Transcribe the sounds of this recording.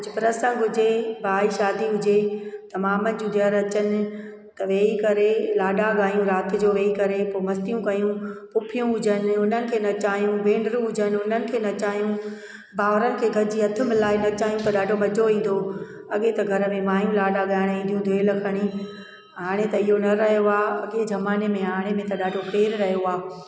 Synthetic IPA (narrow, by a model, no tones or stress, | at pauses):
ʊd͡ʑɪpɾəsə̃ŋɡɦʊd͡ʑebʱaːiʃaːd̪iɦʊd͡ʑet̪ɐmaːmənɪ̆d͡ʑũd̪əɾɐt͡ɕənɪ̆ | t̪ɐʋeːikɐɾelaːɗaɠaːjũɾaːt̪ʰɪ̆d͡ʑoːʋeːikɐɾepomɐst̪ijũkɐjũpʊpʰijũɦʊd͡ʑənɪ̆ʊn̤ənɪ̆kʰeːnɐt͡ɕaːjũʋẽːɳɖɾũɦʊd͡ʑənɪʊn̤ənɪ̆kʰeːnɐt͡ɕaːijũ | baːʋɾənɪ̆kʰeːɡʱɐɾd͡ʑiːɐt̪ʰɪ̆mɪlaːɪnɐt͡ɕaːɦijũt̪ɐɗaːɖʱomɐd͡ʑʱoĩːn̆d̪o | ɐɠet̪ɐɡʱɐɾə̆mẽmaːjũlaːɗaɠaɪɽ̃ĩːnd̪ʱjũd̪ʱeːlɐkʰɐɽ̃i | ɦaːɽ̃et̪ɐiɦonɐɾɐɦijoaːɐ̰ɠed͡ʑɐmaːnemẽɦaːɽ̃emẽt̪ɐɗaːɖʱopeːɾɾɐɦijoaː